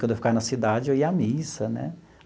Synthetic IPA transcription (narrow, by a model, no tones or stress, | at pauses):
ɐ̃d̪efikaɾnɐsid̪ad͡ʒɪeiamisɐnɛ̰